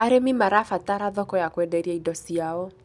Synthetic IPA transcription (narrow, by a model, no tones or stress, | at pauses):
aɾemimaɾafataɾaðɔkɔjakwɛdɛɾiaidɔsiaɔ